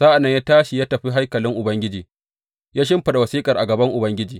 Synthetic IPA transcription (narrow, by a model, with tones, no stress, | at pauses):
sa˦ʔa˨nːɐ˦ɲjaː˦taː˦ʃi˨jaː˦tɐ˨ɸi˦ɦa˦jkɐ˨lɪ˦ŋʔʊ˨bɐ˦ŋɡʲɪ˦d͡ʒiː˨ | jaː˦ʃ̬ɪ˦mɸɐ˨ɗa˨wɐ˨siː˦kʼɐ˨rʔa˨ɡɐ˨bɐ˦ŋʔʊ˨bɐ˦ŋɡʲɪ˦d͡ʒiː˨